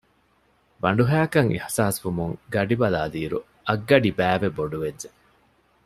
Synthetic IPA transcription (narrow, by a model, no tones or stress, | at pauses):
ʋɐɳɖuɦæːkɐŋʔḭhsaːsʋumuŋɡɐɖibɐlaːliːɾṵ | ɐɡːɐɖibæːʋeboɖuʋedd͡ʒe